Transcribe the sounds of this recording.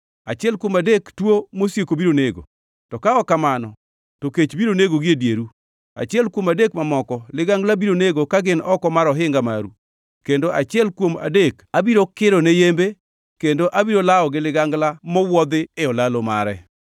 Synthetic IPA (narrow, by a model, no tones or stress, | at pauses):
at͡ʃɪɛlkwomadektwomosjekobiɾoneɡo̰ | tɔkaɔkamanɔ | toket͡ʃbiɾoneɡoɡɪedjeɾu | a̰t͡ʃɪɛlkwomadekmamɔkɔlɪɡaŋɡlabiɾoneɡokaɡɪnɔkɔmaɾɔɦɪŋɡamaɾu | kendoʔat͡ʃɪɛlkwoma̰dekabiɾokɪɾɔnejembe | kendoʔabiɾolaɔɡɪlɪɡaŋɡlamɔwɔd̪ɪːɔlaloma̰ɾɛ